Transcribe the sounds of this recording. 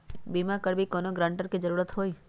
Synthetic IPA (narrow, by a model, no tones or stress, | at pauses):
bimakəɽbʱikonoɡɾãɳʈəɾkid͡ʒəɾuɾət̪ɦoj